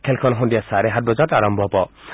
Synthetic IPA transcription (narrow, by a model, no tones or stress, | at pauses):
kʰelkʰɔnɦɔnd̪ijasaɾeɦat̪̚bɔd͡ʒataɾɔmbʱɔpɔ